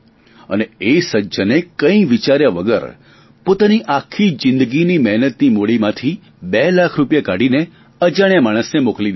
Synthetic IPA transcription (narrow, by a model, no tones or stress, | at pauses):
ə̰neesəd͡ʒənekə̃ĩʋit͡ʃaɾjaʋəɡə̰ɾ | pot̪aniʔakʰːid͡ʒɪ̃nd̪əɡinimɛɦnət̪nimoɭimãt̪ʰi | belakʰɾupjakaɽine | əd͡ʒaɽ̃jamaɽ̃əsnemokli